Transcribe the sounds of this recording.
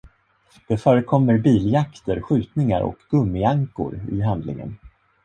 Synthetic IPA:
d̪̥ɛfœːɾəkʰɔmːəɾbiːljakt̪əɾɧʉ̟ːt̪nɪŋa̰ɾɔ̰kɡ̥ɵmːɪaŋkʊ̰ɾɪ̰ɦand̪lɪ̰ŋə̰n

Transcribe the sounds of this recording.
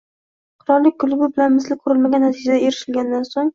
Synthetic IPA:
qʰʊɾɒɾlːɪk̚ʲkːʊlˠʊbɪbɪlanmɪslɪqʰʊɾɪlmaɡʲanːat̪ʰid͡ʒad̪ae̞ɾɪʃɪlɡʲand̪ansoŋ

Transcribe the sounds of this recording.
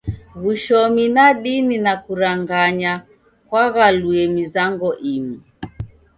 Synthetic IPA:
ɣuʃɔminaɗininakuɾaŋɡaɲa | kwaɣaluɛmizaŋɡɔʔimi

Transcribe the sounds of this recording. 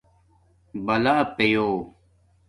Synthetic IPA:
bɐlaːpejoː

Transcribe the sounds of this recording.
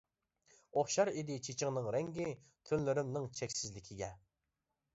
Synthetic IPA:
oχʃɑɾid̪ɪt͡ʃʰet͡ʃʰɪŋnɨŋɾɛŋɡʲɪ | t̪ʰynlɪɾɪmnɨŋt͡ʃʰɛkʲsɪzlɪkʲʰiɡʲɛ

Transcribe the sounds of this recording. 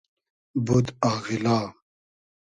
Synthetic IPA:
bud̪aːɣilaː

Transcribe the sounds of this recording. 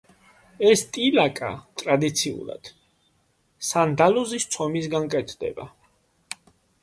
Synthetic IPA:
ɛst̪ʼilakʼa̰t̪ʼɾad̪it̪sʰiṵlˠa̰d̪̥ | sand̪alɔzist̪sʰɔmis̬ɡankʼɛt̪ʰd̪ɛ̰ba̰

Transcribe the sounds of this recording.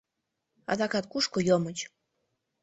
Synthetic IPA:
ɑ̰d̪ɑkɑt̪̚kuʃkojomət͡ɕ

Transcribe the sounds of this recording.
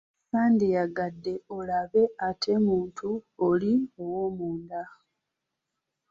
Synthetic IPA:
saːndejaɡadːe̞olaβe̞atʰe̞muːntʰuoliowomuːnda

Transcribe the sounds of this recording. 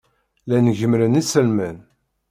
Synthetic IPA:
lænʝəmɾənisəlmæn

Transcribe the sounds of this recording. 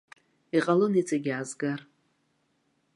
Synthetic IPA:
iqʼalɨnit͡sʼaɡʲazɡar

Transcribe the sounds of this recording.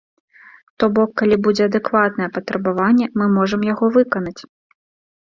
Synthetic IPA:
t̪ɔbɔkːalʲibud͡zʲɛɐd̪ɛkvat̪̚nɐjɛpɐt̪ɾɐbavanʲːɛmɨmɔʐɐmjaɣɔvɨkɐnɐt͡sʲ

